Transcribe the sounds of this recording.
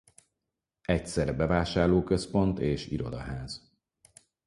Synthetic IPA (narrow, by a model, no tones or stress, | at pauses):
ɛcsɛɾɛbɛvaːʃaːrloːkøspo̞nt̪eːʃḭɾo̞̰d̪ɒ̰ɦaːz̥